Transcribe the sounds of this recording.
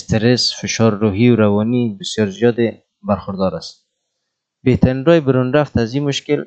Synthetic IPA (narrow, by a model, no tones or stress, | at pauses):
st̪ɪɾesfɪʃɑɾːuɦiwɾawɔnibɪsjɔɾzijɔd̪ɪ | baɾxʊɾd̪ɔɾast̪̚ | beht̪ʰaɾinɾɔjbɪɾunɾaft̪azimʊʃkɪl